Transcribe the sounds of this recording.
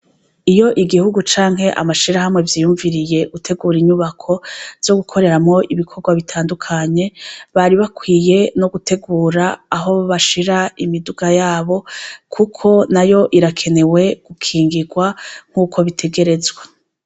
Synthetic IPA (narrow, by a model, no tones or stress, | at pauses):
ijo̞ʔiɡihuɡut͡ʃaːŋɦe̞ʔa̰maʃiɾaɦamŋe̞vjiːjuːɱviɾije̞ɡ̥utʰe̞ɡuːɾiɲuβakʰo̞vj̥o̞ɡukʰo̞ɾe̞ɾamŋo̞ʔiβikʰo̞ɾɡwaβitʰaːndukʰaɲe̞βaɾiβakwiːje̞no̞ɡute̞ɡuːɾaːɦo̞βaʃiɾaimiduɡajaːβo̞kʰukʰo̞najo̞ʔiɾakʰe̞ne̞we̞ɡ̥ukʰiːŋɡiɡwaŋ̥huːkʰo̞βitʰe̞ɡe̞ɾe̞zɡwa